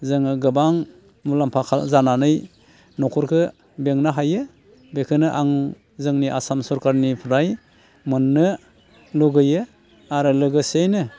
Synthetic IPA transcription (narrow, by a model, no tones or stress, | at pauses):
zɯŋɯɡɯbaŋ | mulampʰakʰalzananɯj | nɔkʰɔɾkʰɯ | beŋnaɦajɯ | bekʰɯnɯʔaŋ | zɯŋniʔasamsɔɾkaɾnipʰɾaj | mɯnːɯ | luɡɯjɯ | aɾɯlɯɡɯsejnɯ